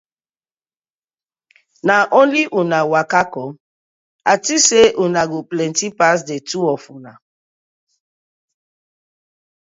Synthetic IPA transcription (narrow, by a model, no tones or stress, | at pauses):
naʔonliʔunawakakɔ | atiseʔunaɡoplɛntipas̬detuɔfuna